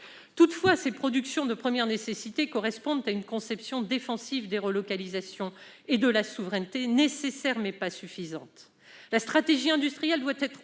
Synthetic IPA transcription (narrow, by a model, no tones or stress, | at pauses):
t̪ut̪fwasepχɔd̪yksjɔ̃d̪əpχəmjɛʁnesesit̪ekɔʁɛspɔ̃d̪t̪aynkɔ̃sɛpsjɔ̃d̪efɑ̃sivd̪eʁəlɔkalizasjɔ̃ | ed̪əlasuvʁɛnt̪enesesɛʁmɛpasyfizɑ̰̃t̪ | last̪χat̪eʒiɛ̃d̪yst̪χijɛld̪wat̪ɛt̪χ